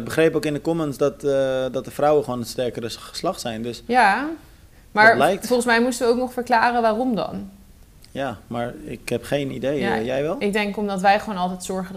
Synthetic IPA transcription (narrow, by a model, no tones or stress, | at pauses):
ɡ̚bəχrejpowkɪndəkɔmənsdɔtdɔt̚dəfrawəχəʋoːnənstɛɹkəɾəslɑχsɛjndøsja | maːɹlɛjk̚tfɔlˠχənsmɛjmustəʋəowknɔχfəɹklaːrəʋaːrɔmdɑ̰n | jaːmaːɹɪ̰khɛpχejnidej̰jɛjʋɛlˠɪɡ̚dɛŋkɔmdɑtʋɛjχʋoːnɑlˠtɛjtsɔɹχə